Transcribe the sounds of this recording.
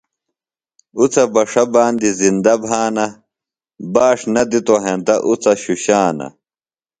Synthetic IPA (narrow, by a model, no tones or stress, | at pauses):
ut͡sʰɐbɐʂɐbaːnd̪izind̪ɐbʱaːnɐ | baːʂnɐd̪it̪oɦẽnt̪ɐʔut͡sɐɕuɕaːnɐ̰